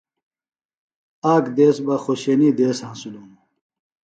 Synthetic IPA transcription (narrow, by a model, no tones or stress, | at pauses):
aːkd̪eːsbɐχoɕenid̪eːshãnsulumu